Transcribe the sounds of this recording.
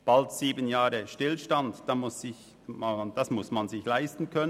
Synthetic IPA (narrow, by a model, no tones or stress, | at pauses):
b̥altz̥iːbənjaːʁəʃtɪlʃtandd̥amʊsːɪç | mad̥asmʊsmanzɪçlaɪstn̩kʰœnə